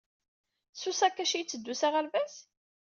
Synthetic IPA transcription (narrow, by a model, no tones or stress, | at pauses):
susækːæʃijt͡sːəd̪ːusaʁælvæs